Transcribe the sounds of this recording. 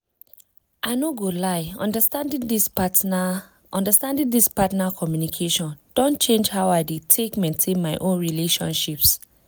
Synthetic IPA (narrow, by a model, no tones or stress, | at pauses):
ʔaɪnoɡolaɪɔ̰̃ndstãndĩŋdispat | ʔɔ̃ndəstãndĩndispatnakʰɔmjunikʰeʃɔ̃nd̥ɔ̃nt͡ʃẽnd͡ʒhaʊaɪdetʰekmẽntʰẽnmaɪʔõnɹileʃɔ̰̃nʃips